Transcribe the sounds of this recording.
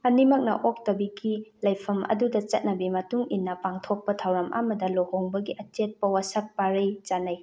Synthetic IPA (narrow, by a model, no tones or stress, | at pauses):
ɐnimɐk̚nɐ̰ʔok̚tɐbiɡilɐjpʰɐmɐ̰dudɐt͡ʃɐt̚nɐbimɐtuŋinːɐpaŋtʰok̚pɐtʰawɾɐmʔa̰mɐdɐlohoŋbɐɡiʔɐtet̚pɐwasɐk̚paɾejt͡ʃanaj